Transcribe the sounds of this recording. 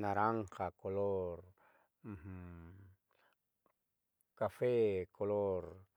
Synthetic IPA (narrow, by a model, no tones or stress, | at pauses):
naɾaŋkakolor | m̩h | kafekʰolor